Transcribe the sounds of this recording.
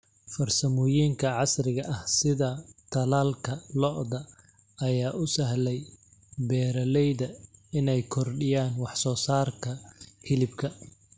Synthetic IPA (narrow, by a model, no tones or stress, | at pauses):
fɐrsɐmʊjiːŋkʰɐʕɑsrɪɣɐʔɐhsɪðɐt̪ʰɐlaːlkʰɐlɔʔðɐː | jaːʔʊsɐɦlɛjbɛːɾɐlɛjðɐɪnɛjkʰɔrɖɪjaːnwɑħsɔːsaːrkʰɐhʰɪlɪbkʰɐ